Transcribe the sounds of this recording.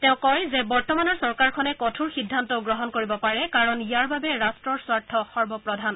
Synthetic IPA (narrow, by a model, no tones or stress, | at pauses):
tɛʊ̃kɔjzɛbɔɹtɔmanɔɹsɔɹkaɹkʰɔnɛkɔtʰuɹxidʱːantɔɡɹɔɦɔnkoɹibɔpaɹɛkaɹɔnijaɹbabɛɹastɹɔɹswaɹtʰːɔxɔɹbɔpɹɔdʱan